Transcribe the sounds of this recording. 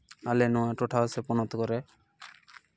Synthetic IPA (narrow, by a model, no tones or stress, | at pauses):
alenɔaʈoʈʰaosepɔnɔt̪ɔkɔɾe